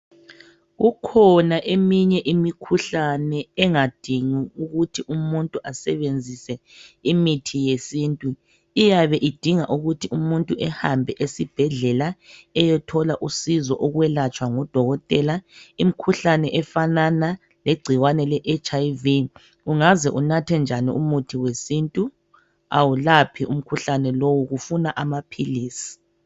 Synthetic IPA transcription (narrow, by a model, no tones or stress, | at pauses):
ɣukʰɔnaʔemiɲɛʔimikʰuɬanɛɛŋad̥ʱiŋiuɣutʰiʔumuntʼuʔasɛβend͡zʱisɛimitʰijesintʼu | ijaβɛʔid̥ʱiŋaʔuɣutʰiumuntʼuʔɛhambʱɛʔesib̥ʱɛɮɛlaɛjɛtʰɔlaʔusizɔʔɔɣwɛlat͡ʃʼwaŋɔd̥ʱɔɣɔtʼɛlaim̩kʰuɬanɛʔɛfanana | leɡ͡ǀʱiwanɛlɛʔet͡ʃʰʼajvi | uŋazɛʔunatʰɛnd͡ʒʱanḭṵmutʰiwesintʼu | a̰wulapʰiʔum̩kʰuɬanɛlowuɣufunaʔamapʰiliːsi̥